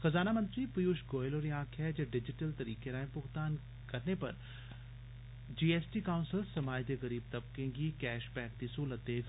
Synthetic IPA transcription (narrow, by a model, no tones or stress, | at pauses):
xɐzaːnamɐ̃nt̪ɾipʊjuːʃɡoːjloːɾiãːkʰɦɛd͡ʒɐɖɪd͡ʒɪʈəlt̪ɐɾiːkeɾaːẽpʊɣt̪aːn | kɐɾnepɐ̰ɾ | d͡ʒiːeːsʈikaːʊ̃nsɪlsɐmaːjd̪eɣɐɾiːb̚t̪ɐb̚kẽːŋɡikɛːʃpɛːkt̪isolɐt̪eːɡ